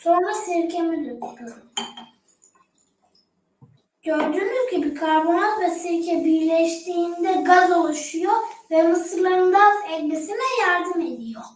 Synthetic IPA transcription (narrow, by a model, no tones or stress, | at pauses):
so̞nɾasiɾcʰemid̪ut̪lu | ɟ̥øɾd̪yːnyzɟibikʰaɾbonalˠvɛsiɾcʰɛbiɾlʲɛʃt̪ʰiːnd̪ɛɡazo̞lˠuʃujovɛmɯsɯɾlˠaɾɯnd̪anɛvlʲisinɛjaɾd̪ɯme̞d̪ijo